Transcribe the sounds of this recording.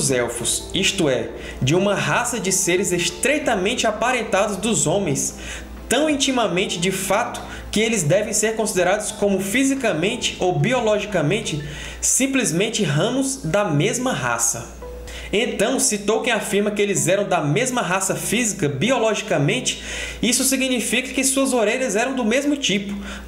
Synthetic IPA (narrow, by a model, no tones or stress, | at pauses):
zɛwfʊsiʃt̪ʊɛ | d͡ʒɪũmɐɦasɐd͡ʒɪseɾɪzest̪ɾejt̪ɐmẽnt͡ʃɪapaɾẽnt̪ad̪ʊzd̪ʊzõmẽj̃s | t̪ɐ̃w̃ĩnt͡ʃĩmɐmẽnt͡ʃɪd͡ʒɪfat̪ʊ̥ | kɪelɪzd̪ɛvẽj̃seɾkõsid̪eɾad̪ʊskõmʊfizikɐmẽnt͡ʃɪ̥ʔowbiɔlɔʒikɐmẽnt͡ʃɪ | sĩplizmẽnt͡ʃɪɦɐ̃mʊzd̪ɐmezmɐɦa̰sɐ̰ | ẽnt̪ɐ̃w̃sit̪owkẽj̃afiɾmɐkɪelɪzɛɾɐ̃w̃d̪ɐmezmɐɦasɐfizikɐbiɔlɔʒikɐmẽnt͡ʃɪ̥ | isʊsiɡnifikɐ̥kɪsuɐzoɾeʎɐzɛɾɐ̃w̃d̪ʊmezmʊt͡ʃipʊ̥